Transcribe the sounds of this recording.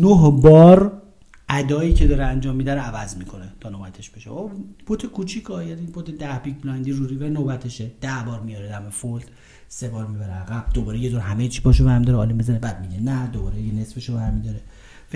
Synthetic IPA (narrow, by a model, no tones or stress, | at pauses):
noɦbɒːɾ | ʔæd̪ɒːiːcʰe̞d̪ɒːɾeænd͡ʒɒːmːiːd̪æɾeævæzmiːkʰo̞net̪ʰɒːnobæt̪ʰe̞ʃbeʃeobʰot̪ʰekʰut͡ʃʰikʰɒjænibʰot̪ʰed̪æhbikblænd̪iːruɾivæɾenobæt̪ʰeʃed̪̥æhbɒːɾmijɒɾed̪æmefol | sebɒːɾmiːbæɾeæɣæb̥̚d̪obɒːɾejed̪oːɾɦæmet͡ʃʰi̥bʰɒːʃovæɾmid̪ɒɾeɒ̰ːlimbezænebæːd̪̚miɟenæd̪obɒːɾejene̞sfeʃovæɾmid̪ɒɾe | f